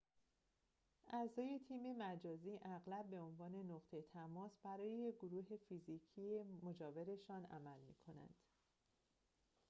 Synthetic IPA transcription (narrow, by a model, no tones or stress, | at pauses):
ʔæzɒːje̞t̪ʰiːme̞mæd͡ʒɒːziːʔæɣlæb̚bːe̞o̞nvɒːne̞noɣt̪ʰet̪ʰæmɒːsb̥æɾɒːjejeɡoɾuːɦe̞fiziːcʰiːemo̞d͡ʒɒːve̞ɾe̞ʃɒːnæ̰mælmḭːkʰo̞næ̰nd̪̥